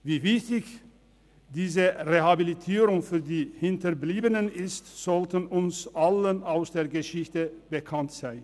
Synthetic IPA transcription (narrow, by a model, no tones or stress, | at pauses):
viːvɪçtɪç | d̥iːzəʁeɦabilitʰiːʁʊŋfyːɐdiːhɪntɐbliːbənənɪstz̥ɔltənʊnsʔalənaʊsd̥eːɐɡəʃɪçtəb̥əkʰantz̥aɪn